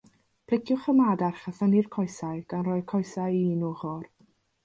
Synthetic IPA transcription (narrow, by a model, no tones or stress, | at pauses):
pʰl̥ˠɪkʰjʊχəmadarχaθənirkʰɔjsajɡ̥anrɔːjkʰɔjsajiinuːχɔr